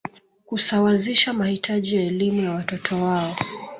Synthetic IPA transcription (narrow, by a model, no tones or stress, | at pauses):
kusawaziʃamahitʰaʄijaɛlimujawatɔtʰɔwaɔ